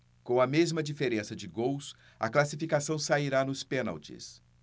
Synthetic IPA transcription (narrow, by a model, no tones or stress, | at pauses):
kõɐmezmɐd͡ʒifeɾẽsɐd͡ʒɪɡows | ɐ̰klasifikasɐ̃w̃saiɾanʊspẽna̰wt͡ʃḭs